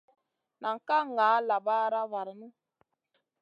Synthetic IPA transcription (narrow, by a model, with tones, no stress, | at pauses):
nʔa˨ŋ˨ka˦ŋaː˨˦la˨baː˦ɾa˦va˨ɾnɨ˦